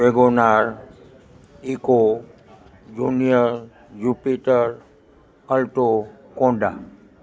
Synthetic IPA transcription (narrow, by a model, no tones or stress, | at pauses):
eɡonaɾ | iko | d͡ʒuːnijəɾ | jupiʈəɾ | əlʈo | kõːɳɖa̰